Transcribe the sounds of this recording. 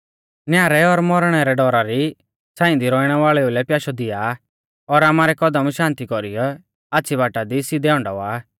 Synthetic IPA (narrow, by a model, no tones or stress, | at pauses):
njaːɾɛɔɾmɔɾɽ̃ɛɾɛɖɔɾaɾi | t͡sãːɪ̃nd̪iɾɔːiɽ̃ɛʋaːɭɛulɛpjaːʃɔd̪ɪja | ɔɾaːmaːɾɛkɔd̪əmʃãːnt̪ikɔɾijɔ | aːtːsʰibaːʈad̪isid̪ɛɔ̃ɳɖɔ̰ʋaː